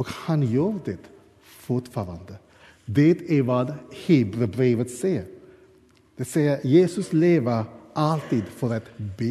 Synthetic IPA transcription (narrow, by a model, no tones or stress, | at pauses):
ɔkhanjuːɾd̪ɛt̪ | fʊʈfɑːɾa̰nd̪ə | d̪ɛt̪ʰæɾʋɑːd̪heːbɾəbɾeːʋət̪sɛjəɾ | d̪̥ɛsɛjəɾjeːsɵsleːʋəɾʔalt̪iːd̪fɔɾat̪beː